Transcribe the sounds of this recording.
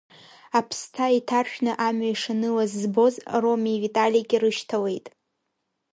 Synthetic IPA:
apʰstʰaitʰarʃᶣnɨʔamɥaiʂanɨlazːbo̞zro̞mivitʼalijaɡʲɪrɨʃtʰawe̞jtʼ

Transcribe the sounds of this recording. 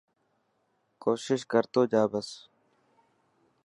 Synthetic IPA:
koːʃɪʃkəɾt̪oːd͡ʒaːbəs

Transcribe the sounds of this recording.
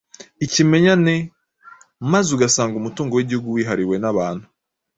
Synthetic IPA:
icime̞ɲane | mazuɡasaːŋɡumutuːŋɡo̞wiɟihuɡuwiːɦaɾiwe̞naβaːn̥hu̥

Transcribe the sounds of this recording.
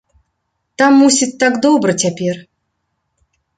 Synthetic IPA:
t̪amːusʲit̪̚ʲt̪ːakd̪ɔbɾɨt͡sʲapʲer

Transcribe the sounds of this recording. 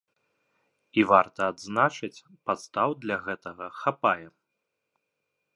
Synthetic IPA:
ivart̪ɐːd̪znat͡ʂɨt͡sʲ | pat̪st̪awd̪lʲaɣɛt̪ɐɣɐxapajɛ

